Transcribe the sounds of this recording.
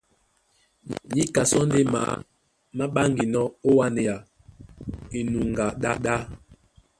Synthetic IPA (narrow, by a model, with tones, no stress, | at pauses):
ɲi˦ka˨sɔ˦n˦de˦ma̰˨ | ma˦ɓa˦ŋɡi˨nɔ˦o˦wa˦ne˨ja˨ | e˨nu˨ŋ˨ɡa˨ɗa̰˦ɗa˦